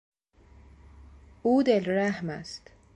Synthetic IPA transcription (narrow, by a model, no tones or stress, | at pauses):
ʔuːd̪elɾæhmæst̪